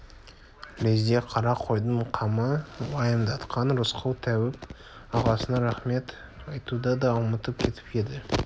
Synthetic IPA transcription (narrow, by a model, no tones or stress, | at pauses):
lezd̪eqʰɑɾɑqʰo̞jd̪əɴqʰɑməlɑjəmd̪ɑt̪qʰɑnɾʊsqʰɑwt̪ʰæwɪp | ɑʁɑsənɑɾæχme̞t̪ | ɑjt̪ud̪ɑd̪ɑlˠmət̪əp̚kʲʰe̞t̪ʰɪ̥pked̪ɪ